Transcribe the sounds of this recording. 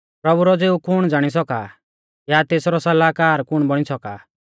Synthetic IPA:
pɾɐbuɾɔd͡zeːukʊɽ̃d͡zaːɽ̃is̬ɔka̰ | jat̪eːsɾɔsɐlaːkaːɾkʊɽ̃bɔɽ̃isɔka̰

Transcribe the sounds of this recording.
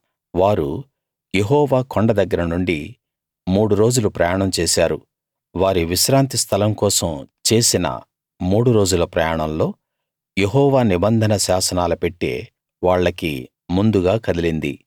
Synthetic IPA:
ʋaːɾu | jeɦɔːʋaːkoɳɖɐd̪ɐɡːɐɾɐnuɳɖi | muːɽuɾo̞ːd͡ʒulupɾɐjaːɳɐmt͡ʃe̞ːsaːɾu | ʋaːɾiʋiʃɾaːnt̪ist̪ʰɐlɐmkɔːsɐmt͡ʃe̞ːsinɐ̰ | muːɽuɾo̞ːd͡ʒulɐpɾɐjaːɳɐmlo̞ː | jeɦɔːʋaːnibɐnd̪ʱɐnɐʃaːsɐnaːlupeʈːḛː | ʋaːɭːɐkḭ | mund̪uɡaːkɐd̪ilind̪ḭ

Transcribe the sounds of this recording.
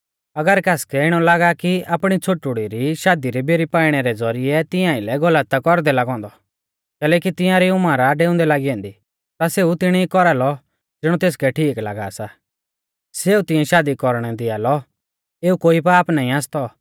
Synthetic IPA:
ɐɡəɾkaːskɛɪɽ̃ɔ̃laːɡakiaːpɽ̃it͡sʰoʈʊɽiɾiʃaːd̪iɾibeɾipaːiɽ̃ɛɾɛd͡zɔɾiɛt̪ɪ̃jãɪlɛɡɔlət̪ːakɔɾd̪ɛlaɡɔ̃ːnd̪ɔ | kɛːlɛːk̬it̪ɪ̃jãɾɛumãːɾaɖeːʊ̃nd̪ɛlaːɡiɔ̃ːnd̪i | t̪aseːut̪ɪɽ̃iikɔɾalɔ | d͡zɪɽ̃ɔ̃t̪eːskɛʈʰiːkla̰ːɡa̰ːsa | seːut̪ɪ̃jɛ̃ʃaːd̪ikɔɾɽ̃ɛd̪ɪaːlɔ | eːukoːipaːpnaːĩaːst̪ɔ

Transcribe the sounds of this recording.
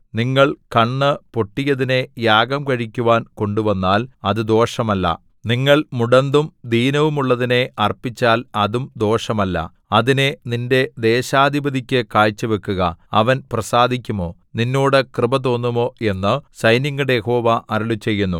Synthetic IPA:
niŋːɐɭkɐɳːɨpo̞ʈːijɐðine̞jaːɡɐmkɐɻikʲːuʋaːnko̞ɳɖuʋɐnːaːlɐðɨd̪o̞ːʂɐmɐlːɐ̰ | niŋːɐɭmuɽɐnd̪umd̪ʱiːnɐʋumuɭːɐðine̞ɐrpːit͡ɕːaːlɐðumd̪o̞ːʂɐmɐlːɐ̰ | ɐðine̞ninde̞d̪e̞ːɕaːd̪ʱibɐd̪ʱikʲːɨkaːjt͡ɕːɨʋe̞kːuɣɐ̰ɐʋɐnprɐsaːd̪ʱikʲːumo̞ː | ninːoːɽɨkrɨbɐt̪̬o̞ːnːumo̞ːe̞nːɨsɐjniŋɡuɽejeho̞ːʋɐʔɐɾɐɭut͡ɕe̞jːunːṵ

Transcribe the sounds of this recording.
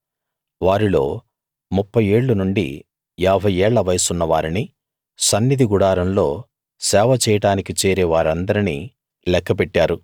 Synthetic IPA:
ʋaːɾilo̞ː | mupːɐje̞ːɭːunuɳɖḭ | aːbʱɐjɛːɭːɐʋɐjɐsunːɐʋaːɾini | sɐnːid̪ʱiɡuɽaːɾɐmlo̞ː | sɛːʋɐt͡ʃɛːjɐʈaːnikit͡ʃeːɾeːʋaːɾɐnd̪ɐɾini | lɛkʰːɐpɛʈːaːɾu

